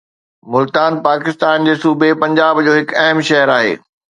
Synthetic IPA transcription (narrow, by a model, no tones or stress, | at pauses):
mʊlt̪aːnpaːkɪst̪aːnd͡ʑeːsuːbʱepɐ̃ɲd͡ʑaːbd͡ʑoːɦɪkɐɦmʃɐɦəɾaːɦḛː